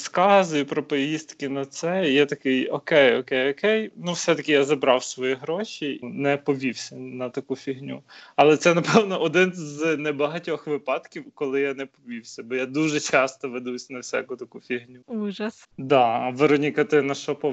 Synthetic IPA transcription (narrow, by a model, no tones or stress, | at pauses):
skɑzʊjipɾɔpɔjʲist̪kɪnɐt̪sɛjɛt̪ɐkɪjɔkɛjɔkɛjɔkɛjnuwsɛt̪ɐkʲɪjazɐbɾɑwsʋɔjiɦɾɔʃʲinɛpɔʋʲiwsʲɐnɐt̪ɐkufʲiɦnʲṵɐlˠɛt̪sɛnɐpɛwnɔʔɔd̪ɪnznɛbɐɦɐtʲɔxʋɪpɑt̪kʲiwkɔlˠɪjanɛpɔʋʲiwsʲɐbɔjad̪uʒɛt͡ʃɑst̪ɔʋed̪usʲnɐwsʲa̰kʊt̪ɐkufʲiɦnʲuuʒɐsd̪ɑʋeɾɔnʲikɐt̪ɪnɐʃɔpɔ